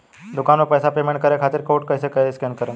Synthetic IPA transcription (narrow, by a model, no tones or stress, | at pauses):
d̪ukanʋepəjsapemẽɳʈ̚kəɾjakʰat̪iɾkoːʈ̚kəɦjsekəɦeskɛnkəɾẽ